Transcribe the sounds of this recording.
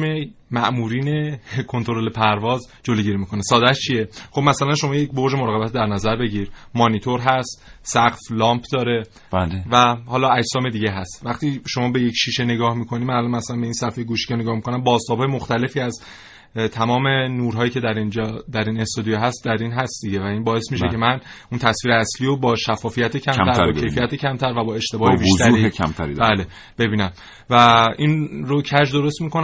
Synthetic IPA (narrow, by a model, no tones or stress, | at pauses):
emæʔmuːɾiːne̞kʰo̞nt̪ʰo̞ɾole̞pʰæɾvɒːz | d͡ʒoloɟiɾimikʰo̞nesɒːd̪æʃt͡ʃʰijeχobmæsælænʃo̞mɒːjecbo̞ɾd͡ʒe̞moɾɒːɣebæt̪ʰd̪æɾnæzæɾbe̞ɟiɾmɒːnit̪ʰo̞ɾɦæst̪sæɡflɒːmpʰd̪ɒːɾe̞ | blvæhɒːlɒæd͡ʒsɒːme̞d̪iːɟeɦæst̪væχt̪iːʃo̞mɒːbe̞jecʃiːʃe̞ne̞ɡɒːhmiːkʰo̞niːmænælɒnmæsælænbe̞iːnsæfejeɡuʃi̥ːceneɡɒːhmikʰo̞næmbɒːzt̪ɒːbhɒːjemo̞xt̪æle̞fiːæz | t̪ʰæmɒːme̞nuːɾɦɒːjiːcʰe̞d̪æɾind͡ʒɒd̪æɾiːnest̪ɒːd̪ijeɦæst̪̚d̪æɾiːnɦæst̪̚d̪iɟe̞væiːnbɒːe̞smiʃecʰe̞mæn | unt̪ʰæsviːɾeæsliːɾobɒːʃæfːɒːfijæt̪ʰecʰæmʰæɾɾʰe̞jfijæt̪ʰecʰæmt̪ʰæɾvæbɒːe̞ʃt̪e̞bɒːhebiʃzt̪æɾiecʰæ̰mt̪ʰæɾid̪bæːle | b̥e̞biːnæm | væiːnɾocʰæd͡ʒd̪o̞ɾo̞st̪miːkʰon